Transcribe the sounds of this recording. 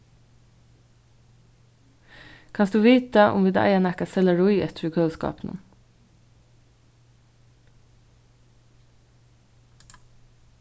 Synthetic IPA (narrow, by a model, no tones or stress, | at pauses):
kʰɑnsd̪ʉːʋiːt̪əʔʊ̰mʋɪd̪ɑ̰ɪɑnækɑsɛləɹʊʏɛ̰t̪ʰɾʉkʰœskɑ̰ːpnə̰n